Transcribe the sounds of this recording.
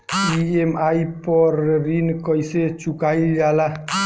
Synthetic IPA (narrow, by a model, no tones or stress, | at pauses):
iemaipəɾːinkəjset͡ʃukaild͡ʒala